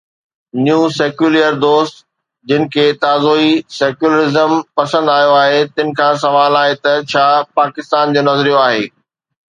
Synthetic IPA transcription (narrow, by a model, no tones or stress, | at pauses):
njuːsɛːkjuːlijəɾd̪oːst̪ | d͡ʑɪnɪ̆kʰeːt̪aːzoːisɛːkjuləɾɪzəmpɐsə̃nd̪aːjoaːɦet̪ɪ̃nɪ̆kʰãːs̬ɐʋaːlaːɦet̪ɐt͡ɕʰaːpaːkɪst̪aːnd͡ʑoːnɐzɾijoaːɦeː